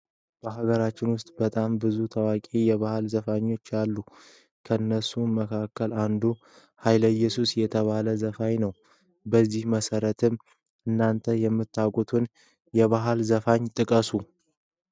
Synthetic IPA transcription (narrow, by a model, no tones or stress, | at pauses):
b̥əɦaɡəɾat͡ʃːɪnwʊst̪ʼbət̪ʼambɨzut̪ʰəwakʼijɛβahalzəfaɲːo̞t͡ʃːalːu | kʰəɨnːəsuməkʰakːəland̪u | hajləjːɛsusjɛt̪ʰəβaləzəfajnəw | bəzːihməsəɾət̪ʰɨm | ɨnːant̪ʰəjɛmːɨt̪ʰːakʼut̪ʰun | jɛβaɦalzəfaɲt̪ʼɨkʼəsu